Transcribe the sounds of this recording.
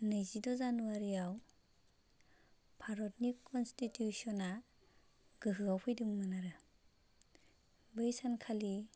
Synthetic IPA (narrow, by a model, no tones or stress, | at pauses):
nɯjzidɔzanuaɾijaw | pʰaɾɔtnikɔnstitjusɔna | ɡ̥ɯɦɯawpʰɯjdɯŋmɯnaɾɯ | bɯjsankʰali